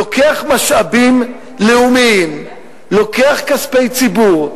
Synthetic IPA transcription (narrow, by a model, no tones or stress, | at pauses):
oke̞aχmaʃʔabim | leumim | lo̞ke̞aχkaspe̞jt͡sibuʁ